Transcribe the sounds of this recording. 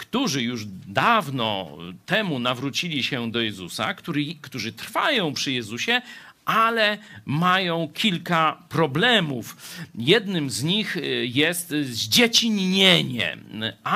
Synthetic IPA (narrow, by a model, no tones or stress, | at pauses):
kt̪uʐɘjuʐd̪avnɔ̰t̪ɛmunavɾut͡ɕilʲiɕɛd̪ɔjɛzusa̰kt̪ukt̪uʐɘt̪ɾfajɔ̃w̃pʂɘjɛzuɕɛ | ʔalɛmajɔ̃w̃kʲʰilkapɾɔblɛmufjɛd̪nɘmzɲixjɛst̪zd͡ʑɛt͡ɕiɲɲeɲɛ̰